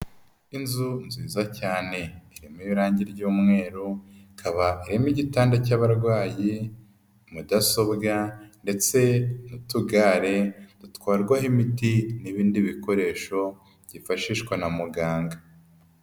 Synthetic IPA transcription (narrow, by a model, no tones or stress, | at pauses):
inzunziːzacaːne̞iɾemejiɾaːɲɟiɾɟuːmŋe̞ːɾukʰaβaiɾemiɟitaːndacaβaɾɡwaːji | mudaso̞bɡande̞t͡se̞nutuɡaːɾe̞d̥utkwaːɾɡwahimitiniβiːndiβiko̞ɾe̞ːʃo̞ | ɟifaʃiːʃkwanamuɡaːŋɡa